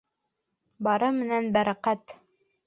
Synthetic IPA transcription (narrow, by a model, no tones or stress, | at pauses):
bɑɾɤmɘ̆nænbæɾæqæt̪